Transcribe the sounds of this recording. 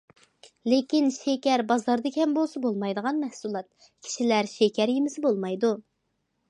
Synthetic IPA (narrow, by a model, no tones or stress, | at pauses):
lekʲinʃekʲɛɾbɑzɑɾd̪ɨkʲɛmbolˠsɑbolˠmɑjd̪əʁɑnmɛhsulˠɑt̪̚ | kʲʰi̥ʃilæɾʃekʲʰɛɾjemɪsɪbolˠmɑjd̪u